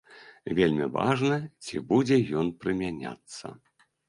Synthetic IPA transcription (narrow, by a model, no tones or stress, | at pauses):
vʲelʲmʲiva̰ʐnɐt͡sʲibud͡zʲɛjɔnpɾɨmʲanʲa̰t̪sːɐ̰